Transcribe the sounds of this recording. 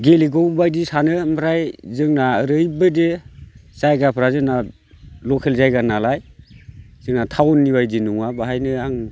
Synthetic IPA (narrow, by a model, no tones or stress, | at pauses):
ɡeliɡɔwbajdisanɯmʰɾajzɯŋnaəɾɯjbɯdesajɡapʰɾazɯna | lɔkʰelzajɡanalaj | z̥ɯŋnatʰawnːiβajdinuŋabaɦajnɯaŋ